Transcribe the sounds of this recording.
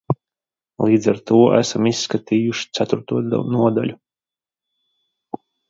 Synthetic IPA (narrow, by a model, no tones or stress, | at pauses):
lˠiːd̪zaɾt̪uɔʔæ̰samisːkat̪iːjuʃi̥t̪sæt̪uɾt̪uɔnuɔd̪a̰lʲu